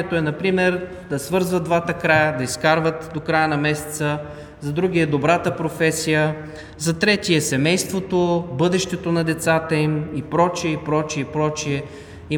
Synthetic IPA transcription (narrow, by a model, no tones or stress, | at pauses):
ɛt̪oɛnɐpɾimɛɾ | d̪ɐsvɤɾzvət̪̚d̪vat̪əkɾajəd̪ɐiskaɾvət̪d̪okɾajənɐmɛsɛ̥t̪sə | zɐd̪ɾuɡʲiɛd̪obɾat̪əpɾofɛsijə | zɐt̪ɾɛt̪iɛsɛmɛjst̪vot̪obɤd̪ɛʃt̪ɛt̪onɐd̪ɛt̪sat̪əimipɾɔt͡ʃiɛipɾɔt͡ʃiɛipɾɔt͡ʃiɛ | i